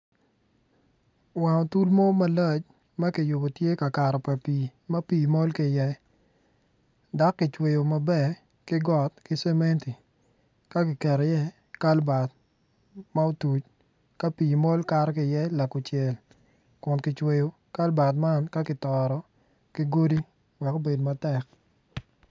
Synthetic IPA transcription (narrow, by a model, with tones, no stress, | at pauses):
wa˨ɔ˨tu˦lmo˦ma˦lɔ˦˨t͡ʃ | mɐ˦kɪ˨jʊ˨bo˨tje˦ka˨ka˨ɾɔ˨pɛ˨pi˨ma˦piː˨mɔ˦lkɪ˨jɛ˦ | da˨˦kːɪ˨t͡ʃwe˨jo˨ma˨bɛ˦ | kɪ˦ɡɔ˨t̚kɪ˦sɛ˦me˦nti˨ | ka˦kɪ˨kɛ˨ɾjɛ˦ | ka˦lba˨t̚ | ma˦o˦tu˨t͡ʃ | ka˦piː˨mɔ˦lka˨ɾkɪ˨jɛ˦la˨kʊ˨t͡ʃjɛ˨l | kʊ˨nkɪ˨t͡ʃwe˨jo˨ | ka˦lba˨t̬ma˦nka˦kɪ˨tɔ˨ɾɔ˨ | kɪ˦ɡo˦di˦ | wɛ˨ko˦be˨dma˦tɛ˦˨k̚